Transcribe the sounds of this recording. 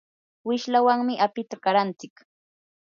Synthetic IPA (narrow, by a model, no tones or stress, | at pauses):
wɪʃlawaŋmɪʔapɪt̪akaɾant͡sɪk